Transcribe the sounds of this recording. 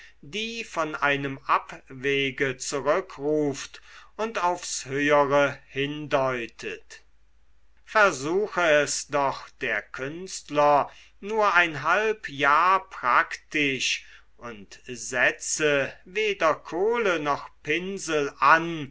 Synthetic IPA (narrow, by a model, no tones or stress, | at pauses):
diːfɔnʔaɪnəmapveːɡət͡suʁʏkʁuːftʊntaʊfshøːəʁəhɪndɔʏtʰət | fɛɐzuːxəɛsd̥ɔχd̥eːɐkʰʏnstlɐ | nuːɐaɪnɦalpjaːɐpʁ̥aktɪʃ | ʔʊntzɛt͡səveːdɐkʰoːlənɔχpɪnzəl̩ʔan